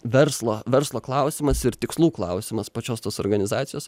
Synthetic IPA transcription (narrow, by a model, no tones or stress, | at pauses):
ʋʲɛɾslˠoːʋʲɛɾslˠoːklˠɑʊsʲɪmɐsɪɾt̪ʲɪkslˠuːklˠɑʊsʲɪmɐspɐt͡ʃʲoːst̪oːsoːɾɡɐnʲɪzɑːt̪ʲɪjoːs